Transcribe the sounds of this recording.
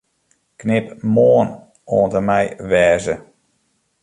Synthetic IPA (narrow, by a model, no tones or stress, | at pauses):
knɪpmoən | oːəntəmɛjʋɛːzə